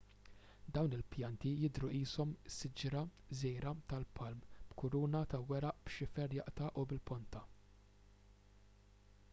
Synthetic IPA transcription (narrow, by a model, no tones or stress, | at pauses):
d̪ɐwnɪlpjɐnt̪ijɪd̪ɾuʔiːsɔmsːɪd͡ʒɾɐ | zɛjɾɐt̪ɐlpʰɐlmb̥kʊɾuːnɐt̪ɐwɛɾɐʔb̥ʃɪfɛɾjɐʔt̪ɐːʔubɪlpɔnt̪ɐ